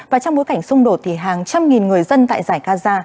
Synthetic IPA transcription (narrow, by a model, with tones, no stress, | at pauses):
vvaː˨˩t͡ɕɔ˧wŋ͡mɓo˨˦jka˧˩jŋ̟sʊ˧ŋ͡mɗo˨˩t̚t̪ʰi˨˩ɦaː˨˩ŋt͡ɕa˧mŋi˨˩nŋɨ˨˩əjzə˧nt̪a̰ː˧˨jzaː˧˩jkaː˧zaː˧